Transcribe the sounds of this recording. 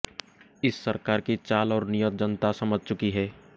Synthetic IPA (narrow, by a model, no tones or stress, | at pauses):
ɪsːəɾkaːɾkit͡ʃaːlɔːɾnijət̪̚d͡ʒənt̪asɐməd͡ʒʱt͡ʃʊkiɦɛː